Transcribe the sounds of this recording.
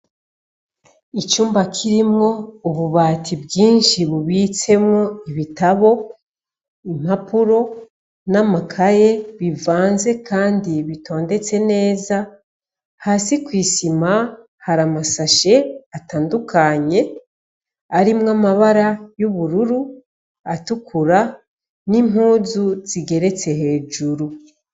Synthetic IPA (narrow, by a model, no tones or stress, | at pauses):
it͡ʃuːmbakʰiɾimŋo̞uβuβaːtʰibɡiːnʃiβuβiːt͡se̞mŋoiβitaβo̞ | im̥apuɾo̞ | namakʰaje̞βivaːnze̞kaːndiβitʰo̞ːnde̞t͡se̞ne̞ːza | hasikwiːsima | haɾamasaʃe̞ataːndukʰaɲe̞ | aɾimŋamaβaɾajuβuɾuɾu | atukʰuɾa | nim̥huːzuz̥iɡe̞ɾe̞t͡se̞he̞ːd͡ʒuɾu